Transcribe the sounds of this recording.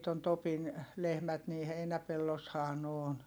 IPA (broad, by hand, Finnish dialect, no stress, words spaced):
ton topin lehmæt niː heinæpelːoshɑː n oːn